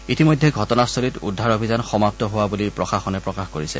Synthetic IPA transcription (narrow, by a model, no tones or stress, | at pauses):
itimojdʱːɛɡʱɔtɔnastʰolitudʱːaɹobʱizanxɔmap̚tɔɦowabulipɹɔxaxɔnɛpɹɔkaxkoɹisɛ